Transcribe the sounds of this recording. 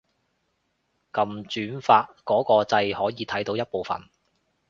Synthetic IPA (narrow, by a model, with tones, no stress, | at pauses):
kɐ˧mt͡ʃyː˨˥nfaː˧t̚kɔː˨˥kɔː˧t͡sɐ˧jhɔː˨˥jiː˨˧t̪ʰɐ˨˥jt̪o˨˥wjɐ˥t̚po˨˧wfɐ̰˨˩n